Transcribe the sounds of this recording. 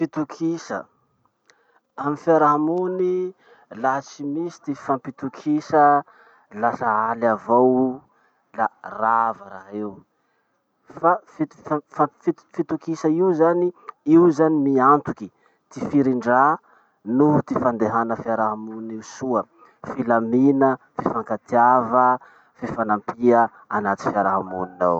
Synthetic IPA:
fit̪ukʰisə̰ | amifiaɾaɦmuni | laat͡simisi̥t̪ifampit̪ukʰisə | lasəalavow | laravaɾa̰ɦew | fafi | afafi | fit̪ukisəiwzaniiuzanimiant̪uki | t̪ifiɾiɳɖ͡ʐa | nut̪ifand̪eɦanəfiaɾaɦamuniwsuə | filaminə | fifaŋkat̪iavə | fifanampiə | anat̪i̥fiaɾaɦamuninaw

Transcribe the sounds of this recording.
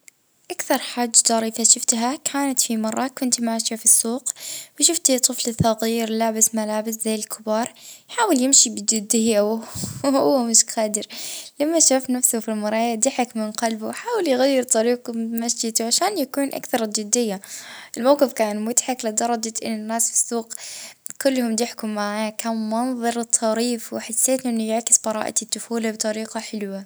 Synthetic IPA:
ʔakθɑɾˤħad͡ʒːd̪ɑɾˤiθaʃʊft̪ɦakʰaːnat̪fimɑrˤːɑkʊnt̪maʕʃafisːuːqwʃʊft̪t̪ˤːɨflɨθːɑɣiːɾlaːbɪsmalaːbɪszajːɪlkʰɪbɑːɾˤjħaːwɪljɪmʃibɪd͡ʒɪd̪ːɪjːawhʊwːamɪʃxaːd̪ɪɾlamːaʃuːfnafsʊfilmɑɾˤɑːjad̪ɪħakmɪnqɑlbʊwħaːwɪljɣajːɪɾt̪ˤɑɾiːqʊmaʃd͡ʒɪd̪ʕaʃaːnjakuːnʔa̰kθɑɾˤd͡ʒɪd̪ːɪjːaʔɪlmawqɪfkaːnmʊt̪ħaklɪd̪ɑɾˤɑd͡ʒaʔɪ̰nːɪnːaːsfi̥suːqkʊlːhʊmd̪ɪħkʊmːaʕkanmɑnðˤɑɾɨt̪ˤʰːɑɾiːfwɪħasːeːt̪ʔɪnːʊjaʕkɪ̥sbɑɾˤɑ̰ːʔa̰t̪ɪt̪ːʊfuːlabt̪ˤɑɾiːqɑħɪlwa

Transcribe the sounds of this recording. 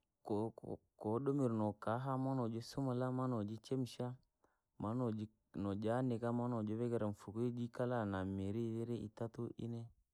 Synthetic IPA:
kɔ | kɔɗomiɾnɔkaɦamanɔd͡ʒɔsumalamanɔd͡ʒit͡ʃɛm̩ʃa | manɔd͡ʒ | nɔd͡ʒanɛkamanɔd͡ʒɔβɛɡɛɾaɱ̩fukuid͡ʒikalanameɾiðɛɾɛḭtatuʔḭnɛ

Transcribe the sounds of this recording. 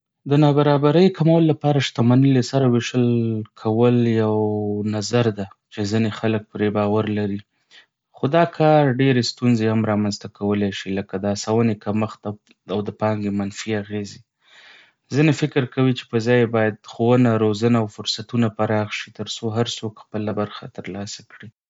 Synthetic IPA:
d̪ənɑbaɾɑbaɾəjkamawəlolapɑɾaʃt̪amanəlesaɾaweʃəlkʰawəljawnazaɾd̪at͡ʃezinexalək̚pɾebɑwaɾlaɾi | xod̪ɑkʰɑɾɖeɾest̪unzehamɾɑmanzt̪akʰawəlaʃiləkad̪əasawənekaməxt̪a | awd̪əpɑŋɡemanfiaɣezi | zinefɪkɪɾkawit͡ʃe̥pəzɑjbɑjad̪xowənaɾozanaawfʊɾsat̪unapaɾɑxʃit̪əɾsoɦaɾsokxpəlabaɾxa̰t̪əɾlɑsḁkɽi

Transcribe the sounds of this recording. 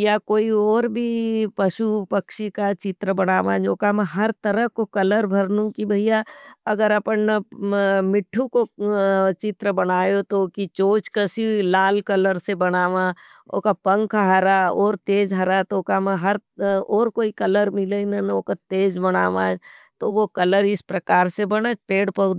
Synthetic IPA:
jakoːiɔːɾbʱipɐʃupɐkʃikat͡ʃɪt̪ɾəbɐnaːʋãːd͡ʒoːkamə̃ɦɐɾt̪ɐɾəkokɐləɾbʱɐɾnũkibʱɐijaɐɡəɾɐpənn | mɪʈʰːuko | t͡ʃɪt̪ɾəbɐnaːjot̪okit͡ʃoːt͡ʃkɐsilaːlkɐləɾsebɐnaːʋã | o̰ːkapə̃ŋkʰaɦɐɾaɔːɾt̪eːd͡ʒɦɐɾat̪oːkamə̃ɦɐɾɔːɾkoːikɐləɾmɪlenɐnoːkat̪eːd͡ʒbɐna̰ːʋãːd͡ʒt̪oʋokɐləɾɪspɾɐkaːɾsebɐnapeːɽpɐʊd̪

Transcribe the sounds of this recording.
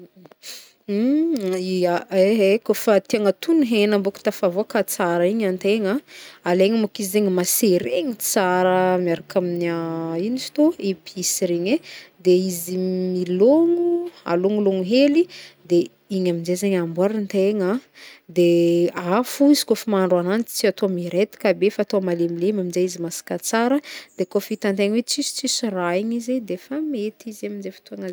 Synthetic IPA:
iaeɦekofat̪iaŋat̪unuɦenamboku̥t̪afavokat͡saɾaiɲant̪eɲaaleŋimukizizeɲimaseɾeɲit͡saɾəmiaɾakʰaminainisi̥t̪oipisiɾeɲed̪eizimiloŋua̰loŋuloŋuɦelid̪e | iɲamid͡ʒezeɲambuaɾant̪eŋad̪eafuizi̥kofimaɳɖ͡ʐoananit͡st͡siat̪oamiɾet̪i̥kabefaːt̪oamalemilemamind͡ʒeizimasi̥kat͡saɾəd̪̥ekofit̪ant̪eŋwet͡sist͡sisiraiɲized̪efamet̪izamind͡zefi̥t̪uaŋaz

